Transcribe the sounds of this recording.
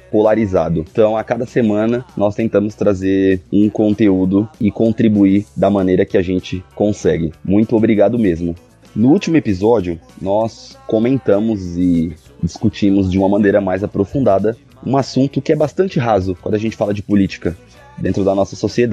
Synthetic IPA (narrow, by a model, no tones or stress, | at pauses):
polaɾizad̪ʊt̪ɐ̃w̃akad̪ɐsemɐ̃nɐnɔst̪ẽnt̪ɐ̃mʊst̪ɾazeɾũkõnt̪eud̪ʊɪkõnt̪ɾibuid̪ɐmɐ̃nejɾɐkɪaʒẽnt͡ʃɪkõsɛɡɪmũj̃t̪ʊobɾiɡad̪ʊmezmʊ | nʊut͡ʃimʊepizɔd͡ʒiʊnɔskomẽnt̪ɐ̃mʊzɪ | d͡ʒiskut͡ʃĩmʊzd͡ʒɪũmɐmɐ̃nejɾɐmajzapɾofũnd̪ad̪ɐ | ũasũnt̪ʊkɪɛbast̪ɐ̃nt͡ʃɪɦazʊkwɐ̃nd̪ʊaʒẽnt͡ʃɪ̥falɐd͡ʒɪpʊlit͡ʃi̥kɐ | d̪ẽnt̪ɾʊd̪ɐnɔsɐsosied̪a